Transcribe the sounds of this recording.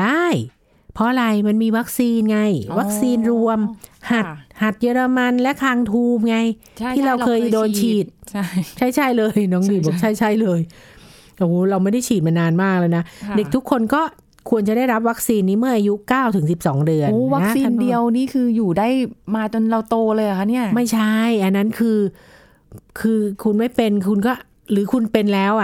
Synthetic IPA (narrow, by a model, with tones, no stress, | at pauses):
daː˥˩j | pʰɔ˦˥ʔa˧ɾa˧jma˧nmiː˧wa˦˥k̚siː˧nŋa˧jwa˦˥k̚siː˧nɾu˧əmha˨˩t̪̚ha˨˩t̪̚jɤː˧ɾa˧ma˧nlɛ˦˥ʔk̪ʰaː˧ŋt̪ʰuː˧˩mŋa˧j | t̪ʰiː˥˩ɾa˧wkʰɤː˧jdoː˧nt͡ɕʰiː˨˩t̪̚t͡ɕʰa˥˩jt͡ɕʰa˥˩jlɤː˧jnɔː˨˦˥ŋdɯː˧˩bɔː˨˩k̚t͡ɕʰa˥˩jt͡ɕʰa˥˩jlɤː˧j | ʔa˨˧˩hoː˦˥ɾa˧wma˥˩jda˥˩jt͡ɕʰiː˨˩t̪̚ma˧naː˧nmaː˥˩k̚lɤː˧jna˦˥de˨˩k̚t̪ʰu˦˥kʰːo˧nkɔː˥˩ | kʰu˧ənt͡ɕa˨˩da˥˩jɾa˦˥p̬̚wa˦˥k̚siː˧nːiː˦˥mɯ˥˩ɐʔa˧ju˦˥kaː˥˩wt̪ʰɯ˩˦ŋsi˨˩p̚sɔː˩˦ŋdɯ˧ənoː˧˦wa˦˥nk̚siː˧ndi˧əwniː˦˥˩kʰɯː˧juː˨˩da˥˩jmaː˧t͡ɕo˧nɾa˧wt̪oː˧lɤː˧ja˨˩kʰa˦˥ni˥˩ɐma˥˩jt͡ɕʰa˥˩jʔa˧nːa˦˥nkʰɯː˧ | kʰɯː˧kʰu˧nma˥˩jpe˧nkʰu˧nkɔː˥˩ | ɾɯː˩˦kʰu˧npe˧nlɛː˦˥wʔa˨˩